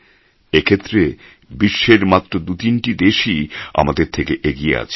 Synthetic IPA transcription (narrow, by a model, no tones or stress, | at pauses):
ekʰet̪ːɾe | biʃːeɾmat̪ːɾod̪ut̪inʈid̪eʃia̰mad̪eɾt̪ʰekeʔeɡiḛa̰t͡ɕʰe